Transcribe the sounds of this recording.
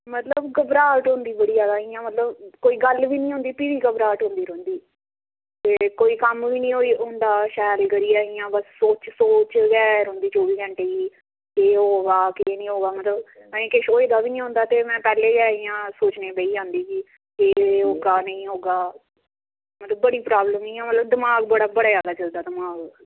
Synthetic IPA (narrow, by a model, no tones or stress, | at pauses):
mət̪ləbɡəbɾaːʈɦʊ̃nd̪iːbəɽiːd͡ʒjaːd̪aːijãːmət̪ləbkoːiːɡəlʋiːnəĩːɦʊ̃nd̪iːpiʋiːɡəbɾaːʈɦʊ̃nd̪iːɾə̃ːnd̪iː | t̪eːkoːiːkəmʋiːnĩːɦoːiːɦʊ̃nd̪aːʃɛːlɡəɾiːaːijãːbəsːoːt͡ʃsoːt͡ʃɡɛːɾɦʊ̃nd̪iːt͡ʃoːʋiːɡəɳʈeːiː | keːɦoːɡaːkeːnĩːɦoːɡaːmət̪ləb | əẽːkɪʃoːed̪aːbiːnĩːɦʊ̃ːnd̪aːt̪eːmɛ̃ːpɛːleːɡɛːijãːsoːt͡ʃneːbəiːɦãːnd̪iːkiː | keːɦoːɡaːnə̃ĩːɦoːɡaː | mət̪ləbːəɽiːpɾaːbləmnə̃ːãːmət̪ləbd̪ɪmaːɡbəɽaːbəɽaːjaːlaːt͡ʃəld̪aːd̪ɪmaːɡ